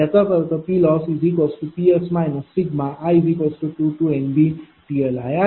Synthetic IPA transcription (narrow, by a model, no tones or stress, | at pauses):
ɛt̪ɔt̪əd̪əpilɔsizikɔsʈupiesmaɛ̃nɔsiɡmaʔaizikɔsʈuʈuʈuenbi | pielaja